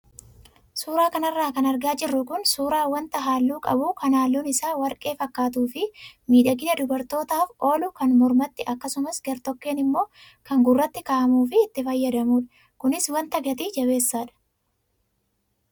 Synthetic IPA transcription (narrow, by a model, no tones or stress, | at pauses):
suːɾaːkɐnɐrːaːkɐnɐɾɡaːd͡ʒɪrːʊkʊnsuːɾaːwɐnt̪ɐɦaːlːuːkʼɐ̰buːkɐnaːlːuːnɪsaːwɐɾkʼe̞ːfɐkːaːt̪̬uːfɪmiːᶑɐɡɪnɐd̪ʊbɐɾt̪o̞ːt̪aːfo̞ːlʊkɐnmɔɾmɐt̪ːɪʔɐkːɐsʊmɐsɡɐɾt̪ɔkːeːnɪmːo̞ː | kɐŋɡʊrːɐt̪ːɪkaːʔɐmuːfɪːt̪ːɪfɐjːɐd̪ɐmuːᶑɐ̥ | kʊnɪswɐnt̪ɐɡɐt̪iːd͡ʒɐβe̞ːsːaːᶑɐ̥